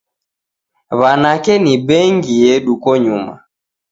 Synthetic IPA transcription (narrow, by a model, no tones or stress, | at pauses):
βanakɛniɓɛŋɡijɛɗukɔɲuma̰